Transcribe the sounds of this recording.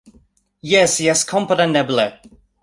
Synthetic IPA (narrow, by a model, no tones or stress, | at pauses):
jɛsjɛskʰɔ̃mpəɾənɛbl̩i